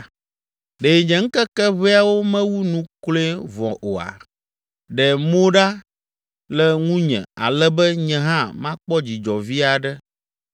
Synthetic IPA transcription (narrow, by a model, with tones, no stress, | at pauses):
ɖe˨ɲɛ̃˨ŋ̩˦kɛ˦kɛ˦βɛ˦a˦wo˦mɛ̃˦wu˦nũ˦kle˦vɔ̰̃˨ʔo˨a̰˨ | ɖɛ˨mo˦ɖa˦ | lɛ˦ŋũ˦ɲɛ̰̃˨a̰˨lɛ˦bɛ˦ɲɛ̃˦ɦã˦mã˦k͡pɔ˦d͡ʑi˨d͡ʒɔ˨vi˦a˨ɖɛ˦